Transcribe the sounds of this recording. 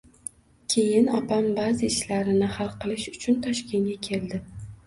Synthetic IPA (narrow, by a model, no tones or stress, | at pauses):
kʲʰe̞jɪnapambazɪɪʃlaɾɪnɪhalˠqɨlˠɪʃʊ̥t͡ʃʰʊnt̪ʰɒʃkʲe̞ŋɡʲakʲʰe̞ld̪ɪ